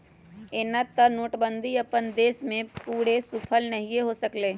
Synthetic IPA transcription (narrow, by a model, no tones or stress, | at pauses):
eːnat̪ːənoːʈbə̃nd̪ʱiɐpənd̪eːsmẽpuːɽesuːpʰəlnɐɦieɦosəkleː